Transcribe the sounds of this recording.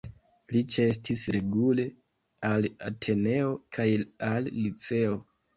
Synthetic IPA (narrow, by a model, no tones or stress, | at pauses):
lit͡ʃe̞stisɾe̞ɡule̞ | ala̰tʰe̞ne̞o̞kʰajalːit͡se̞o̞